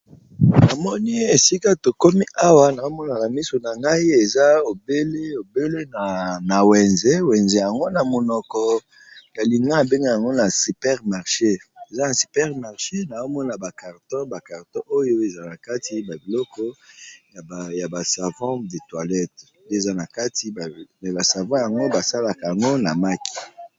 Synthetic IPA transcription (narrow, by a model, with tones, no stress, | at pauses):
na˨mɔ˦ni˦e˨si˦ka˦to˨ko˦mi˦ʔa˦wa˦na˨zo˦mɔ˦na˨na˨mi˦so˨na˨ŋɡa˦i˦e˨za˦o˨be˦le˦o˨be˦le˦na˨na˨wɛ˨nzɛ˦wɛ˨nze˨ja˨ŋɡo˦na˨mo˨nɔ˨kɔ˨ | na˨li˨ŋɡa˦a˨be˦ŋɡa˦ja˨ŋɡo˦na˨si˨pɛ˦ʁma˨ʁʃe˦e˨za˦na˨si˨pɛ˦ʁma˨ʁʃe˦na˨o˦mɔ˦na˨ba˨ka˨ʁtɔ̃˦ba˨ka˨ʁtɔ̃˦ʔo˦jo˦e˨za˦na˨ka˦ti˦ba˨bi˨lɔ˦kɔ˦˨ | ja˨ba˨sa˨vɔ̃˦de˨twa˨lɛ˦t | nde˦˨za˦na˨ka˦ti˦˨mɛ˨ba˨sa˨vɔ̃˦ja˨ŋɡo˦ba˨sa˦la˨ka˨ja˨ŋɡo˦na˨ma˦ki̥˨